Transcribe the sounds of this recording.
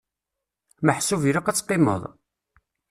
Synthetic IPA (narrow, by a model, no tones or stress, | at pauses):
məħsuviɾɑqæt͡sːqːemə̰ðˤ